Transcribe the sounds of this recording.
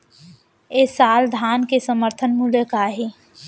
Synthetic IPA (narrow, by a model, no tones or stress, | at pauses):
eːsaːld̪ʱaːnkesəməɾt̪ʰənmuljəkaːɦi